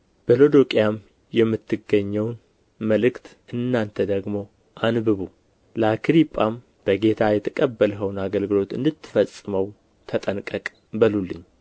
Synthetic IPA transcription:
b̥əlo̞d̪o̞kʼijam | jɛmːɨt̪ːɨɡəɲːɛwn | məlɨkt̪ʔɨnːant̪ʰəd̪əɡmo̞ | ʔanbɨβu | ləakʰɾipʼːam | b̥əɡe̞t̪ʰajɛt̪ʰəkʼəbːəlɦəwnaɡəlɡɨlo̞t̪ɨ̰nd̪ɨt̪ːɨ̥fəsʼːɨməw | t̪ʰət̪ʼənkʼəkʼ | bəlulːɨɲː

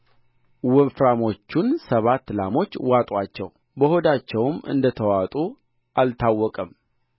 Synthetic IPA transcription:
wɔfɾamo̞t͡ʃːunsəβat̪ːlamo̞t͡ʃːwat̪ʼwat͡ʃːɛ̰w | bəho̞d̪at͡ʃːɛwmɨ̰nd̪ət̪ʰəwat̪ʼu | ʔalt̪ʰawːɔkʼəm

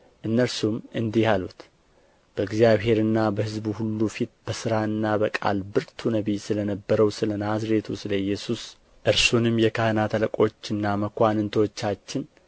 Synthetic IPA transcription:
ʔɨnːəlsumɨnd̪ihalut̪ | b̥əɡzijaβɦe̞ɾɨnːabəhɨzbuhulːufit̪̚b̥əsɨɾaɨnːabəkʼa̰lbɨɾt̪ʰunəβisɨlənəbːəɾəwsɨlənazɾe̞t̪ʰusɨləjːɛsus | ʔɨɾsunɨmjɛkʰəhɨnat̪ʰələkʼo̞t͡ʃːɨnːaməkʰʷanɨnt̪ʰəwɔt͡ʃːat͡ʃːɪn

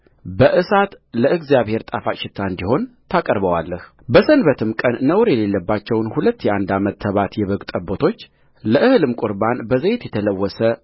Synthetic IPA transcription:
bəʔɨsat̪ | ləʔɨɡzijaβhe̞ɾt̪ʼafaʃɪt̪ʰːaɨnd̪iho̞nt̪ʰakʼəɾbəwa̰lːəh | bəsənbət̪ʰɨmkʼənːəwɾjɛle̞lːəbːat͡ʃːɛwnhulət̪ːjɛʔand̪amət̪ʰːəβat̪jɛβəɡt̪ʼəbːot̪ʰo̞t͡ʃː | ləʔɨhɨlɨmkʼʊɾbanbəzəjet̪jɛt̪ʰələwːɔsə

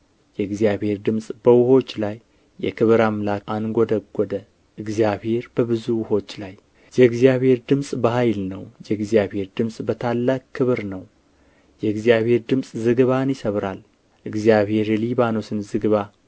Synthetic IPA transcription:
jɛɨɡzijaβhe̞ɾd̪ɨmsʼbəwʊho̞t͡ʃːlajː | ɛ̰kʰɨβɨɾamlakanɡʷod̪əɡʷːɔd̪ə | ʔɨɡzijabhe̞ɾbəbɨzuwʊho̞t͡ʃːlaj | jɛɨɡzijaβhe̞ɾd̪ɨmsʼbəhajlnəwjɛɨɡzijaβhe̞ɾd̪ɨmsʼbət̪ʰalːakʰːɨβɨɾnəw | jɛɨɡzijaβhe̞ɾd̪ɨmsʼzɨɡβanjɪsəβɾal | ʔɨɡzjaβhe̞ɾjɛliβano̞sɨnzɨɡɨβa

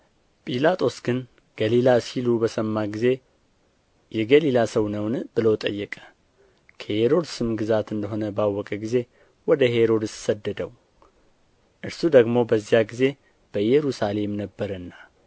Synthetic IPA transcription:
pʼilat̪ʼo̞sɡɨn | ɡ̥əlilasilubəsəmːaɡize̞ | jɛɡəlilasəwnəwnbɨlot̪ʼə̰jːɛkʼə̥ | kʰəheɾo̞d̪sɨmɡɨzat̪ɨnd̪əɦo̞nəbawːɔkʼəɡize̞ | wɔd̪əhe̞ɾo̞d̪ɨssəd̪ːəd̪əw | ʔɨɾsud̪əɡmo̞bəzːijaɡize̞ | b̥əjɛɾusale̞mnəbːəɾənːa

